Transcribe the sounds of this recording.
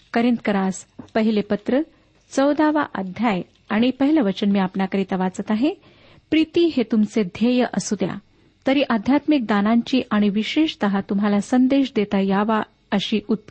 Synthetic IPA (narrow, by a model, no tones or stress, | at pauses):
kəɾint̪kəɾaspəɦilepət̪ɾə | t͡səwd̪aʋa̰ʔə̰d̪ʱjaj | aɽ̃ipəɦiləʋət͡ɕənmiːapnakəɾiːt̪əʋat͡sət̪aɦe | pɾit̪iːɦet̪umt͡sed̪ʱjejəʔəsud̪ja̰ | t̪əɾiːʔəd̪ʱjat̪mik̚d̪anãɲt͡ɕiːʔaɽ̃iʋiɕeɕt̪əɦat̪umɦalasənd̪eɕd̪et̪ajaʋa | əɕiːut̪̚p